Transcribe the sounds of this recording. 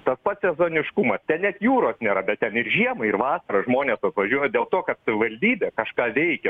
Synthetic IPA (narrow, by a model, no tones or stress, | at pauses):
t̪ɐspɐt̪sʲɛzoːnʲɪʃkʊmɐst̪ʲɛnnʲɛt̪juːɾoːsnʲeːɾɐbʲɛt̚t̪ʲɛnɪɾʒʲiɛmɐɪɪrʋɑːsɐɾɐʒmoːnʲeːsɐt̪ʋɐʒʲuɔjoːdʲeːlˠt̪oːkɐt̪sɐʋʲɪʋɐlʲd̪ʲiːbʲeːkɐʃkɑːʋʲɛɪkʲɛ